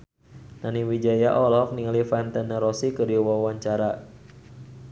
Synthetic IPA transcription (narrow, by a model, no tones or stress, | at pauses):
naniwid͡ʒajaʔɔlɔk̚niŋlifant̪ɛnəɾɔsikəɾiwawaɲt͡ʃaɾa